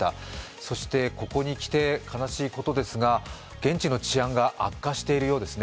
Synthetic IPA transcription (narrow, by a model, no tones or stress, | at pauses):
t̪a | so̞ɕi̥t̪e̞ko̞ko̞ɲ̟ikʲi̥t̪e̞kʰanaɕiːko̞t̪o̞d̪e̞sɨɡa | ɡ̥ẽ̞ɲ̟t͡ɕino̞t͡ɕiãŋɡaʔakːaɕi̥t̪e̞iɾɯjo̞ːd̪e̞sɨne